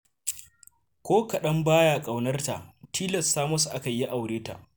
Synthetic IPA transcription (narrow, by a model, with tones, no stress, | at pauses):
kʷoː˦kɐ˨ɗɐ˦mbaː˦ja˨kʼa˨wnɐ˦rta̰˨ʔtʰiː˦lɐ˨sːaː˦mɐ˦su˨ʔa˦kɐ˨ji˦ʔa˨wɽeː˦ta̰˨ʔ